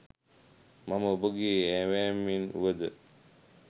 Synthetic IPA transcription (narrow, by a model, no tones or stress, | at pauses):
maməboɡiɛwɛːminwəd̪ə